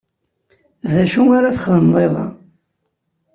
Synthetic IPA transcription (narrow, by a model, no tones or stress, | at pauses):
ðæʃuŋaɾaθə̥χðəmðˤeðˤɑ̰